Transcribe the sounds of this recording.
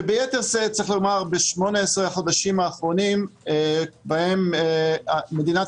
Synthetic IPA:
bejet̪eʁzet͡saʁiχlomaʁbeʃmo̞neesʁehaχo̞d̪aʃimaːχʁo̞nim | bahemamed̪ina

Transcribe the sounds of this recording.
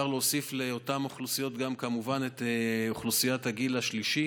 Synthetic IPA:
aʁleosifleotamoχlusijo̞t̪ɡamkamuvanet̪eoχlusijataɡilaʃliʃi

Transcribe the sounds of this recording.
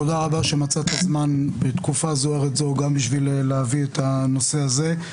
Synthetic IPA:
odaʁabaʃe̞mat͡sat̪azmanbet̪kufazoeʁet̪zoɡambiʃvileleaviet̪ano̞se̞aze

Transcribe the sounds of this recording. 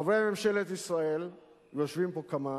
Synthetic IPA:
avʁeamemʃelet̪isʁael | joʃvimpokama

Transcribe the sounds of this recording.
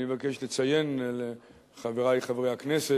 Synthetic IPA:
evakeʃlet͡sajenle | χaveʁajχavʁejhaknese

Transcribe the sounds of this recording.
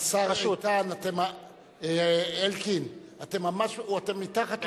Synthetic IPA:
sat̪anat̪ema | eelkinat̪emamaʃuat̪emit̪akat̪

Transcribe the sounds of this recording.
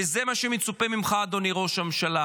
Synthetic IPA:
ezemaʃemet͡supemimχaːd̪o̞niʁo̞ʃamʃala

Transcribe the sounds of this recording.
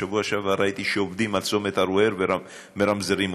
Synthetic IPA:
avuaʃavaɾajt̪iʃeovd̪imalt͡somet̪aɾueɾvea | meɾamzeɾim

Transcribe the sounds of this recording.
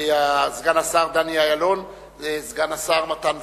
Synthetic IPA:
azɡanasaʁd̪aniajalon | ezɡanasaʁmat̪anv

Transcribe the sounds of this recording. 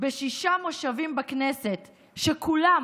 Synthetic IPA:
beʃiʃamo̞ʃavimbakneset | ʃekula

